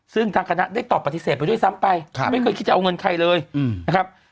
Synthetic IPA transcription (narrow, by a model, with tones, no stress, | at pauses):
sɯ˥˩ŋt̪ʰaː˧ŋkʰna˦˥ʔdaː˥˩jt̪ɔː˨˩pːa˧t̪ːi˦˥seː˨˩t̪pa˧jdu˥˩jsa˦˥mpa˧jʰma˥˩jkɤː˧jki˦˥t̪̚t͡ɕa˨ʔŋɤ˧nkʰa˧jlɤː˧jna˦˥kʰɾa˦˥p̚